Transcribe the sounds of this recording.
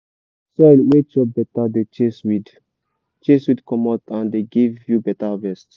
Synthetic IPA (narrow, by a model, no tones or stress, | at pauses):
sɛlwet͡ʃɔbɛtadet͡ʃeswid | t͡ʃeswidkɔmɔtãndeɡivjubɛtavɛst